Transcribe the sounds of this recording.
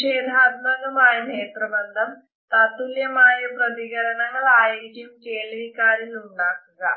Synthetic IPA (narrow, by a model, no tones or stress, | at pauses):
eːd̪ʱaːd̪mɐɡ̪ɐmaːjɐmɦeːt̪ɾɐbɐnd̪ʱɐm | t̪aːt̪uljɐmaːjɐpɾɐt̪iɡɐɾɐɳɐŋɐɭaːjkjumkeːɭɾikaːɾiluɳɖaːkuɡa̰